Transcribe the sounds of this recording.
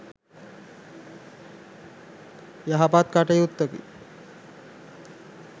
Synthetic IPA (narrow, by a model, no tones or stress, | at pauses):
jaɦapat̪̚kaʈəjut̪ːəkḭ